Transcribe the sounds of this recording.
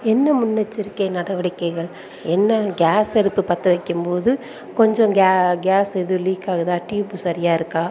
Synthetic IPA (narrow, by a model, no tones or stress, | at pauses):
ɛnːɐmʊnːɐt͡ʃːɪɾɯkːeːnɐɽɐʋɐɽɪkːɐɪɣɐɭ | ɛnːɐɡaːsɛɽɯp̪ːɯpɐt̪ːɐʋɐɪkːɯmpoːðɯ | kɔɲd͡ʒɔ̃ŋɡaɡaːsɛðɯliːkːaːɣɐt̪ãːʈiːpːɯsɐɾɪjaːɪɾɯkːãː